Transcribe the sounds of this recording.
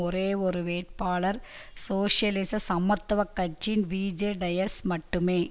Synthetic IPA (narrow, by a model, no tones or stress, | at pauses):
ɔɾeːɔɾɯʋeːʈ̚paːɭɐɾsoːʂjɐlɪsɐsɐmːɐt̪ːɐʋɐkːɐt͡ʃːɪnʋiːd͡ʒeːɖɐjɐɾsmɐʈːɯmeː